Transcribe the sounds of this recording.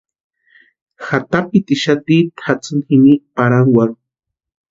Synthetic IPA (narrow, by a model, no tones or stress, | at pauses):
xat̪apit̪iʃat̪it̪xat͡sɨnxinipaɾaŋwaɾu